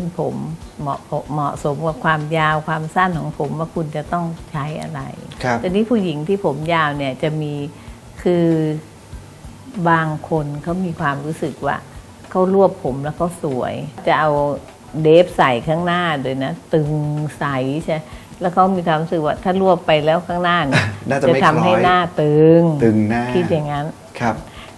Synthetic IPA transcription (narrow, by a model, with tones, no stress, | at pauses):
sʰɯ˧˥˩npʰo˩˦mːɔ̰˨˩ʔpʰo˨˧ʔmɔ˨˩ʔso˩˦mwaː˧˥˩kʰwaː˧mjaː˧wkʰwaː˧msa˥˩nkʰɔː˩˦ŋpʰo˩˦mwaː˧˥˩kʰu˧nt͡ɕa˨˩t̪ɔ˥˩ŋt͡ɕʰa˦˥jʔa̰˧ɾa̰˧j̪ʰɛ˧niː˦˥˩pʰuː˧˩ji˩˦ŋt̪ʰiː˥˩pʰo˩˦mjaː˧wni˧˥˩ɐt͡ɕa˨˩miː˧ | kʰɯː˧ | baː˧ŋkʰo˧nkʰa˦˥˩wmiː˧kʰwaː˧mɾuː˦˥sɯ˨˩k̚wa̰ː˧˩ | kʰa˧˥˩wɾu˥˩əpʰːo˩˦mlɛː˦˥wkʰa˦˥˩wsu˩˦ɐjt͡ɕa˨˩ʔa˧w | deː˦˥p̚sa˨˩jkʰaː˥˩ŋnaː˥˩doː˧˩jna˦˥t̪ɯ˨˧˩ŋsa˨˩˦jt͡ɕʰa˥˧a˥ | lɛː˦˥˩wkʰa˦˥wmiː˧kʰwaː˧mlɾu˦˥sɯ˨˩k̚waː˧˥˩t̪ʰaː˥˩ɾu˥˩əpːa˧jlɛː˦˥˩wkʰaː˥˩ŋnaː˥˩ni˥˩naː˥˩t͡ɕt͡ɕa˨˩t̪ʰa˧mhɦa˥˩jnaː˥˩t̪ɯ˨˧ŋɯ˨˩ŋ˥kʰi˦˥t̪̚ja˨˩ŋːa˦˥n | kʰ